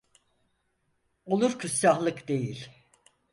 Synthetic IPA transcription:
o̞lˠuɾkʰusːaɦlˠɯkd̪e̞jilʲ

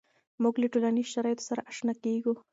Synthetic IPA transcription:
muɡləʈolaniʃaɾɑjt̪o̥saɾaʔaʂnakeɡu

